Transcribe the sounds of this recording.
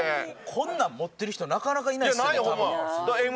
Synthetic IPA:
kʰõ̞nːãmːo̞t̪ːe̞ɾɯ̟çi̥t̪onakanakainainaioad̪aem

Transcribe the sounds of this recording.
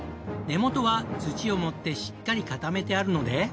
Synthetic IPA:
ne̞mo̞t̪o̞βat͡sɨt͡ɕio̞mo̞t̪ːe̞ɕi̥kːaɾʲikat̪ame̞t̪e̞aɾɯ̟no̞d̪e̞

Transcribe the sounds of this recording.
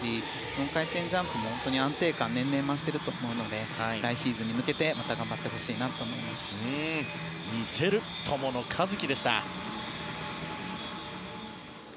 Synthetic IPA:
i | sonokait̪ẽ̞ɲ̟d͡ʑãmpɯ̟mo̞hõnt̪oɲ̟iãnt̪e̞ːkãnːẽ̞nːẽ̞mːaɕi̥t̪e̞ɾɯ̟t̪o̞ːmo̞ɯ̟no̞d̪e̞aiɾaiɕiːzɨɲ̟imɯ̟ke̞t̪e̞mat̪aɡãmbat̪ːe̞ho̞ɕiːnat̪o̞ːmo̞imasɨ̥ | ɲise̞ɾɯ̟ | t̪ʰo̞mo̞no̞kʰazɨkʲid̪e̞ɕi̥t̪a̰

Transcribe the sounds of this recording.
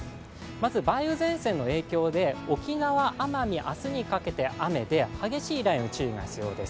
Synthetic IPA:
mazɨbaiɯ̟zẽ̞ɰ̃sẽ̞nːo̞e̞ːkʲo̞ːd̪e̞o̞kʲinaβaʔamaɲʲiʔasɨɲ̟ikake̞t̪e̞ʔame̞d̪e̞haɡe̞ɕiːɾaĩɯ̟t͡ɕɨːɡa̰çi̥t͡sɨjo̞ːd̪e̞sɨ̥

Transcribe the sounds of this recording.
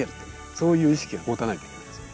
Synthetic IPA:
eɾɯ̥t̪ːe | so̞ːjɯ̟ːiɕi̥kʲiahoːt̪anait̪eikʲe̥sɨ̥

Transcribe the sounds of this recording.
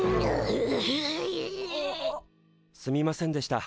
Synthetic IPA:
sɨmʲimasẽ̞nd̪e̞ɕi̥t̪a

